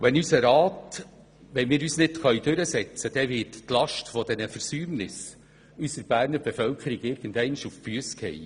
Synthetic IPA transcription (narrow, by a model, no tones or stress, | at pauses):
ʋɛnysəɾɑːt | ʋɛnmɪːɾyːsnɪtχœʏd̥øɾəsɛt͡səd̥ɛʋɪttlɑʃtfɔd̥̪ɛnəfəɾsyːmnɪs | ysəɾb̥æːɾnəɾb̥ɛfœlkʰəɾɪɡɪɾɡ̥əndɛɪnʃufbyəskhɛ̰j